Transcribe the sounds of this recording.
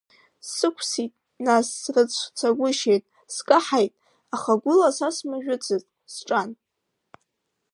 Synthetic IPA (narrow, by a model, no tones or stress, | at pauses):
sɨkʷʰsitʼ | nasːrɨt͡sʷʰt͡sʰaɡʷʊʃejtʼ | skʼaħajtʼ | aχaɡʷʊlasasmɨʒᶣʊt͡sʰɨtʼ | sʈ͡ʂʼan